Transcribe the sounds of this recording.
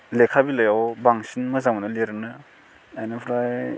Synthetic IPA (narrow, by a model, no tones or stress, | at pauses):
lekʰabilɐjawbaŋsinmɐzaŋmɐnɯleɾɯnɯ | ajnɯpʰɾaj